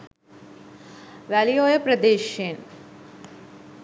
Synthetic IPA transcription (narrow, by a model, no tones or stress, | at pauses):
ʋælijoːjɐpɾɐd̪eːʃeːn